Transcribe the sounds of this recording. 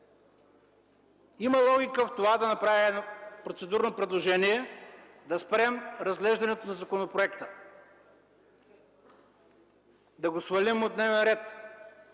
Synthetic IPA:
iməlˠɔɡʲikəft̪ovad̪ɐnɐpɾaviɛnpɾot̪sɛd̪uɾnopɾɛd̪lˠoʒɛniɛ | d̪ɐspɾɛmɾɐzɡlɛʒd̪ɐnɛt̪onɐzɐkonopɾoɛkt̪ə | d̪ɐɡosvɐlimot̪nɛvɛnɾɛt̪

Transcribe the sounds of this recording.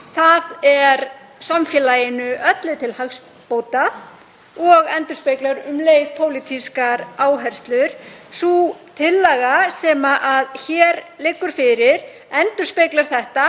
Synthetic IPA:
θaðɛɾ | samfjɛːlajɪnʏʔœt̪lʏt̪ʰɪlhaxs | poːwt̪a | ɔɣɛnt̪ʏɾ̥speklaɾʏmleːjðpʰoːwlɪt̪ʰiskaɾaːwɦɛɾ̥st̪lʏɾ̥sut̪ʰɪlːɛɣasɛːmaʔaðçɛːɾlɪːkːʏɾ̥fɪɾɪɾ̥ | ɛnt̪ʏ̥speklaɾ̥θɛht̪a

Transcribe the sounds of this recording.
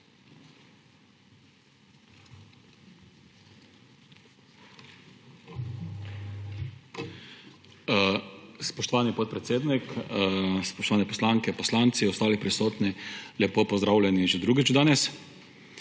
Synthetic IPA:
spɔʃt̪ɔʋaːnipɔt̪̚pɾɛt̪seːd̪nik | spɔʃt̪ɔʋaːnɛpɔslaŋkɛpɔslant̪siɔst̪aːlipɾisoːt̪nilʲɛpopɔzd̪ɾaːwlʲɛniʒɛd̪ɾuːɡit͡ʃd̪aːnɛs

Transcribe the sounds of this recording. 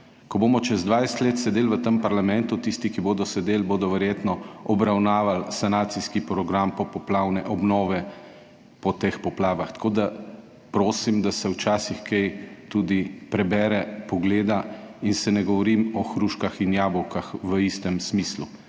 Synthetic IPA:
kɔboːmɔt͡ʃɛzd̪ʋajst̪leːt̪sɛd̪eːlʋət̪əmpaɾlamɛnt̪ut̪ist̪ikiboːd̪ɔsɛd̪eːlboːd̪ɔʋɛɾjeːt̪nɔɔbɾawnaːʋalsanaːt̪siskipɾɔɡɾampɔpɔplaːwnɛʔɔbnɔːʋɛ | pɔt̪eːxpɔplaːʋaxt̪ɐ̥koːd̪a | pɾoːsimd̪asɛwt͡ʃaːsixkɛjt̪uːd̪ipɾɛbɛːɾɛpɔɡleːd̪ainsɛnɛɡɔʋɔɾimɔxɾuʃkaxinjaːbɔwkaxʋəist̪ɛmsmiːslu

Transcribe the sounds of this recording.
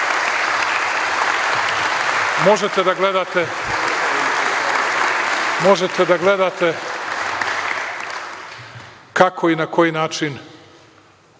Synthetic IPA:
mo̞ʒet̪e̞d̪aɡle̞d̪at̪e | mo̞ʒet̪ed̪aɡle̞d̪at̪e | kakʰo̞inako̞jinaːt͡ʃin

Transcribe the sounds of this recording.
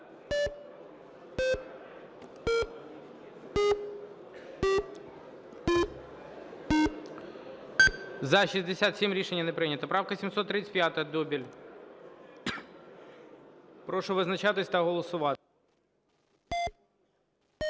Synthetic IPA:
zɐʃizʲd̪esʲat̪sʲimɾʲiʃenʲːɐnɛpɾɪnʲɐt̪ɐpɾɑwkɐsʲimsɔt̪ːɾɪt̪t͡s̪ʲə̥pjat̪ɐɐd̪ɔbʲilʲ | pɾɔʃʊʋɪznɐt͡ʃat̪ɪsʲt̪ɐɦɔlˠɔsʊʋɑ

